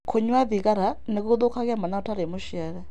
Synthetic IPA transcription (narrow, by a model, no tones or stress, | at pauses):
kʰuɲwaðikaɾanikuuðukaɣamanautaɾemuʃiaɾɛ